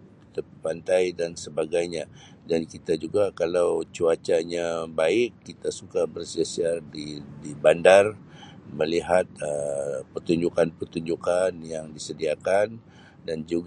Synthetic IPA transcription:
kit̪apəpant̪ajdansəbaɡajɲa | dankit̪ad͡ʒuɡakalawt͡ʃuat͡ʃaɲabaɪkːit̪asukabərsiasiardidibandarməliɦat̪̚əpərt̪uɲd͡ʒukanpərt̪uɲd͡ʒukanjaŋdisədiakan | dand͡ʒuɡ

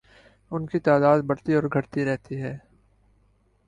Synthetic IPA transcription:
ʊnkit̪aːd̪aːd̪̚bɐɽt̪iɔːɾɡʱɐʈt̪iɾɛɦt̪iɦɛː

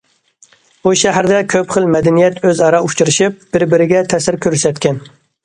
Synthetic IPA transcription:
buʃæɦæɾd̪ɛkʲʰøpχəlmɛd̪ɛnijɛt̪ʰøzɑɾɑut͡ʃʰuɾɨʃip̚b̥ɪɾbɪɾɪɡʲɛt̪ʰɛsɪɾkʲʰøɾysɛt̪kʲɛn

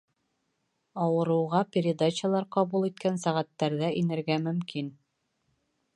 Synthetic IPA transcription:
ɑwɤ̆ɾɤ̆wʁɑpʲɪɾʲɪd̪at͡ɕɪalˠɑɾqɑβulˠit̪̚kænsæʁæt̪ːæɾðæʔinɘ̆ɾɡæmɵ̆mkin

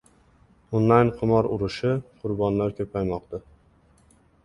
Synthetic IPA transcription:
onlˠajnqʰɨmɒɾʊɾɪʃɪqʰʊɾbɒnlaɾkʲʰɵpʰajmɒq̚t̪a

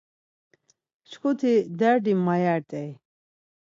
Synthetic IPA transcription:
ʃkʰut̪ʰid̪ɛɾɖimːajaɾt̪ʼɛj

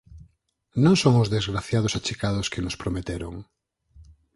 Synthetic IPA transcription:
nõŋsoŋʊzðezɣɾaθjað̞ʊsat͡ʃikað̞ʊskenospɾomet̪eɾo̰ŋ

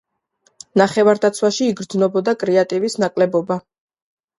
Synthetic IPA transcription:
naχɛvaɾd̪at̪sʰwaʃiːɡɾd̪znɔbɔd̪akʼɾɛat̪ʼivisnakʼlɛbɔba

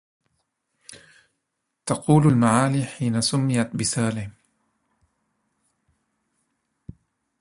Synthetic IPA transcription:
t̪ɑquːlalmaʕaːliːħiːnasʊmːɪjat̪bɪsaːlɪ

